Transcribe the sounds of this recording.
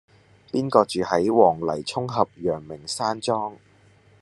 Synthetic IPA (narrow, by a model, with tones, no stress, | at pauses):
piː˥nkɔː˧t͡ʃyː˨hɐ˨˥jwɔː˨˩ŋlɐ˨˩jt͡sʰʊ˥ŋɦɐ˨p̚jœː˨˩ŋmɪ˨˩ŋsaː˥nt͡ʃɔː˥ŋ